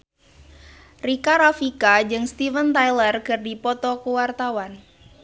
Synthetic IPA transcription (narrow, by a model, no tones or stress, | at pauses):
rikaɾafikad͡ʒɨŋst̪ivənt̪ajlərkɨrdipɔt̪ɔkuwart̪awan